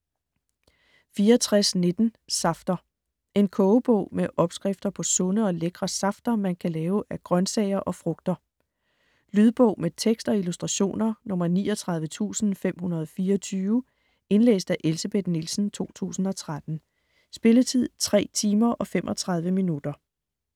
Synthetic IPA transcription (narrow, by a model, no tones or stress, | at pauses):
fiːɐɒt͡sʰʁasne̝d̥n̩sɑ̈fd̥ɐ | e̝nkʰɔːʊb̥ɔ̰̽ʊmeʔɒ̽b̥sɡ̥ʁɛfd̥ɐpʰɒ̽sɔ̽nəɒ̽leɡ̥ʁɐsɑ̈fd̥ɐmænkʰælɛːʊʔæɡ̥ʁɶnsɛɪ̰ɐʔɒ̽fʁɔ̽ɡ̥̚d̥ɐ | lyð̞ˠb̥ɔ̽ʊ̰met͡sʰeɡ̥sd̥ɒ̽ilusd̥ʁɑ̈ɕo̝̰ːnɐnɔ̽mɐnḭːɒt͡sʰʁɑ̈ð̞ˠʋət͡sʰṵːsn̩fem̰hunɐð̞ˠɒfiːɐɒt͡sʰyːʊ | e̝nlḛːsd̥æʔe̝lsəb̥e̝d̥nilsn̩t͡sʰo̝̰ːt͡sʰṵːsn̩ɒ̽t͡sʰʁad̥n̩ | sb̥e̝lət͡sʰið̞̰ˠt͡sʰʁɛ̰ːt͡sʰiːmɐʔɒ̽femʔɒ̽t͡sʰʁɑ̈ð̞ˠʋəminud̥ɐ